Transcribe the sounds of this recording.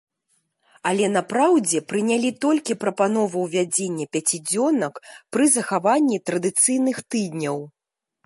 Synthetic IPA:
ɐlʲɛnapɾawd͡zʲɛpɾɨnʲalʲit̪ɔlʲkʲipɾɐpan̪ɔvɐwvʲad͡zʲenʲːɐpʲat͡sʲid͡zʲɔnɐkpɾɨzɐxavanʲːit̪ɾɐd̪ɨt̪sɨjnɨxt̪ɨd̪ʲnʲɐw

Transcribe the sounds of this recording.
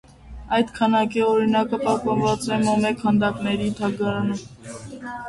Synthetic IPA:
ɑjd̪kʰɑnɑkiɔɾinɑkəpɑhpɑnvɑt͡sɛmɔmɛkhɑnd̪ɑknɛɾit̪ʰɑɡɑɾɑnum

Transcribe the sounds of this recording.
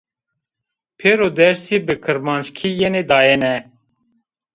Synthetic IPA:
pʰeːɾoːd̪ɛɾsiːbɨkʰɨɾmɑːnt͡ʃkʰiːjɛneːd̪ɑːjenɛ

